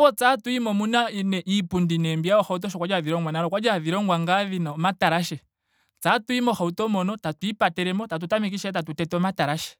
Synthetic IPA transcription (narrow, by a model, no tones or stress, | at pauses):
wɔt͡satuimɔmunainɛʔipundinɛmbijaɔxaut̬ɔʃ̬ɔkwad͡ʒaðiɾɔŋɡwanaɾɔkwad͡ʒaðiɾɔŋɡwaŋɡaðinamataɾaʃɛ | t͡satuimɔxautɔmɔnɔtatuipatɛɾɛmɔtat̬utamik̬iʃɛtatutɛtɔmataɾaʃɛ̥